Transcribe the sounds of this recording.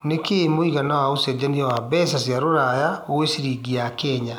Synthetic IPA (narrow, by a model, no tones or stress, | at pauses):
nekemoiɣanawaosɛd͡ʑaniɔwabɛs̬asjaɾoɾajaoesiɾiɡiakɛɲa